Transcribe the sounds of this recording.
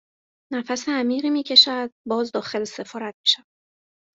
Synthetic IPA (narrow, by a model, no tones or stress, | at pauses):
næfæseæmiːʁiːmiːcʰe̞ʃæd̪̥̚bɒːzd̪ɒːxe̞lese̞fɒːɾæt̪̚mi̥ʃævæ̥